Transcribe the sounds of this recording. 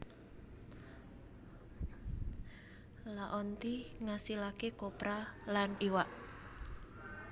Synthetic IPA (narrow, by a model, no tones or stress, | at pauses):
laʔɔnt̪iŋasilakekopɾalaniwaʔ